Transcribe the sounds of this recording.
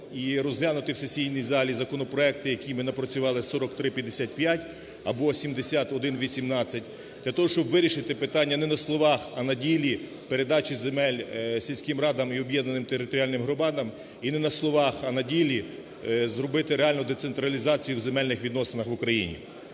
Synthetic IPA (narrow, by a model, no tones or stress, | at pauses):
iɾɔzɦlʲanʊt̪ɪwsesʲijnʲijzɑlʲizɐkɔnɔpɾɔɛk̚t̪ɪjɐkʲimɪnɐpɾɔt͡sʲʊʋɑlˠɪsɔɾɔkt̪ɾɪpʲjɐd̪ːesʲat̪̚ʲpjatʲ | ɐbɔsʲimd̪esʲat̪ɔd̪ɪnʋʲisʲimnɑt͡sʲːɐtʲ | d̪̥ʲlʲɐt̪ɔɦɔʃt͡ʃɔbʋɪɾʲiʃɪt̪ɪpɪt̪ɑnʲːɐnɛnɐslˠɔʋɑxɐnɐdʲilʲi | peɾed̪ɑt͡ʃizemɛlʲsʲilʲsʲkɪmɾɑd̪ɐmiɔbjɛd̪nɐnɪmt̪eɾɪt̪ɔɾʲialʲnɪmɦɾʊbɑd̪ɐm | inɛnɐslˠɔʋɑxɐnɐdʲilʲi | zɾɔbɪt̪ɪɾeɑlʲnʊd̪ɛt̪sent̪ɾɐlʲizɑt͡sʲijuwzemɛlʲnɪxʋʲid̪nɔsɪnɐxʋʊkɾɐjḭnʲḭ